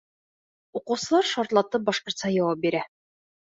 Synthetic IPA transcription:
uqŭwsɤ̆lˠɑɾʃɒɾt̪lˠɑt̪ɤp̚bɒʃqŏɾt̪sɑjɒwɑp̚biɾæ

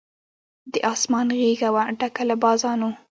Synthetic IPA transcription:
d̪əʔɑsmɑnɣeɡawaɖakalabɑzɑno

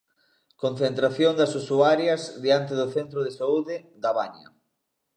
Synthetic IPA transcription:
kõn̟θent̪ɾaθjond̪ɐsusuaɾjɐzðiant̪̬ɪðʊθent̪ɾʊðesauðɪ | d̪aβaɲɐ̰

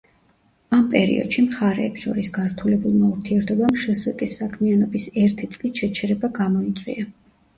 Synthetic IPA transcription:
ampʼɛɾḭɔ̰d̪̥ʃimχaɾɛ̰ːpsʃɔɾisɡaɾt̪ʰulɛbulˠmauɾt̪ʰiɛɾt̪ʰɔbamʃɛsɛkʼisːakʰmianɔbisɛɾt̪ʰit̪sʼlisʃɛt͡ʃʰɛɾɛbaɡamɔit̪sʼwḭa

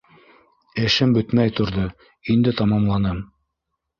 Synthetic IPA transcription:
ɘ̆ʃɘmbɵ̆t̪mæjt̪ŏɾðɤ | ind̪ɘt̪ɑmɑmlˠɑnɑm

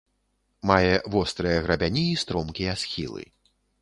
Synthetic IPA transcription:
majɛvɔst̪ɾɨjɐɣɾɐbʲanʲiːst̪ɾɔmkʲiasxʲḭlˠɨ̰

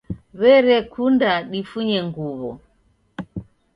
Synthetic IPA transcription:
βɛɾɛkʰundaɗifuɲɛŋɡuβɔ̰

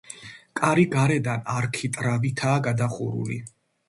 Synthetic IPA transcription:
kʼaɾiɡaɾɛd̪anaɾkʰit̪ʼɾavit̪ʰaːɡad̪aχuɾṵlḭ

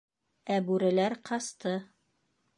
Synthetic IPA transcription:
æbʉɾɘ̆læɾqʰɑst̪ɤ

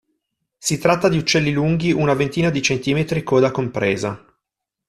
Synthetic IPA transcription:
sit̪ɾat̪ːad̪iut͡ʃːɛlːiluŋɡiʔunavent̪iːnad̪it͡ʃent̪iːmet̪ɾikoːd̪akompɾeːza

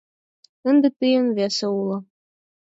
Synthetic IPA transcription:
ɘ̆nd̪ɘ̆t̪ɨjɤ̆nβesĕulˠɤ̆

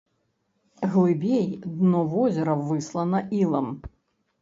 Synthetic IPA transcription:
ɣlˠɨbʲejd̪nɔvɔzʲɛɾɐvɨslˠɐnɐʔilˠɐm

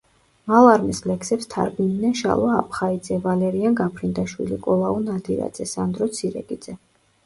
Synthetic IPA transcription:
malˠaɾmislɛksɛpst̪ʰa̰ɾbinnɛnʃa̰lˠaa̰pʰχaid̪zɛvalɛɾianɡapʰɾind̪aʃwḭlḭkʼɔlˠaɔnad̪iɾa̰d̪zɛsand̪ɾɔt̪sʰiɾɛ̰ɡʼid̪z̥ɛ

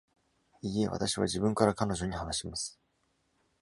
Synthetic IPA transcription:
ie̞βa̰t̪aɕiβa̰ʑibɯ̟̃ŋkaɾakano̞ʑo̞ɲ̟ihanaɕimasɨ̥

